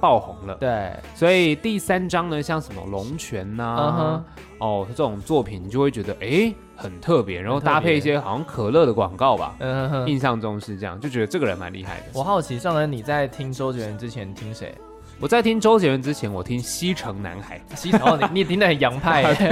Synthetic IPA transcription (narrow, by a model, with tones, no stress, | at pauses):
pɑ˥˩ʊxʊ˧˥ŋlə˧˦t̪we˥˩ɪswɔ˧˥i˨˩t̪i˥˩sa˥nʈ͡ʂɑ˥ŋnə˨ɕjɑ˥˩ŋʂə˧˦nmə̰˧˨lʊ˧˥ŋt͡ɕʰɥɛ˧˥nɐ˧˥ | ɔ˥˩ʈ͡ʂɤ˥˧˩ʈ͡ʂʊ˨˩ŋt͡swɔ˥˩pʰi˨˩ni˨˩t͡ɕo˥˧we˥˩t͡ɕɥɛ˧˥d̪ə˧ʔe˥ɪ | xə˨˩nt̪ʰɤ˥˩pjɛ̰˧˦ɻa˨˦nxo˥˧t̪a˥˧pʰe˥˧ɪi˥˩ɕ̬jɛ˥xɑ˨˩ʊɕjɑ˥˧ŋkʰɤ˨˩lɤ˥˩d̪ə˩kwɑ̰˨˩ŋkɑ˥˩ʊbɐ̰˨˩˥i˥˧nɕ̬jɑ˥˧ŋʈ͡ʂɤ˥˩ʊ˧˥˩ʂɻ̩˥˧ʈ͡ʂɤ˥˧jɑ̰˥˧ŋt͡ɕjo˥˩ʊt͡ɕɥɛ˧˥d̪ə˧ʈ͡ʂɤ˥˩ɡə˩ɻə˧˦nma̰˧˥nlḭ˥˧xa̰˥˩ɪd̪ə˩wɔ˨˩xɑ˥˩ʊt͡ɕʰi˧˥ʂɑ˥˩ŋə˧˩ni˨˩t͡sa˥˩ɪt̪ʰi˥ŋʈ͡ʂo˥ʊt͡ɕjɛ˧˥ɻə˧˦nʈ͡ʂɻ̩˥t͡ɕʰjɛ˧˦nt̪ʰi˦˥ŋʂḛ˧˦ɪ | wɔ˨˩t͡sa˥˩ɪt̪ʰi˥ŋʈ͡ʂo˥ʊt͡ɕjɛ˧˥˩ɻə˧˥nʈ͡ʂɻ̩˥t͡ɕʰjɛ˧˥nwɔ˨˩t̪ʰi˦˥ŋɕi˥ʈ͡ʂʰɤ˧˥ŋna̰˧˥nxa˨˩ɪɕni˨t̪ʰi˥ŋd̪ə˨xə˨˩njɑ˧˥ŋpʰa˥˩ɪ